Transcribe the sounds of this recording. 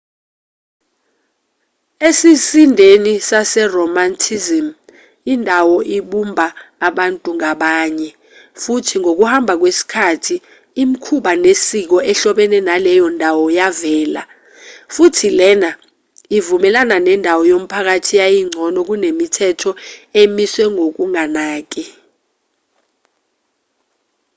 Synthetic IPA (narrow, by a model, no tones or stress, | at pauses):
esisindʱenisasɛrɔmantʰizim | indʱawɔʔiɓumbʱaːɓantʼuŋaɓaːɲɛ | futʰiŋʱok̬uhambʱak̬wesi̥kʰatʰiː | mikʰuɓanesik̬ɔʔɛɬɔɓɛnɛnalɛjɔndʱawɔjavɛːla̰ | futʰilɛna | ivumɛlananɛndʱawɔjom̩pʰak̬atʰijajiŋ͡ǀʱɔnɔk̬unemitʰɛtʰɔemiswɛŋok̬uŋanaːk̬ʼi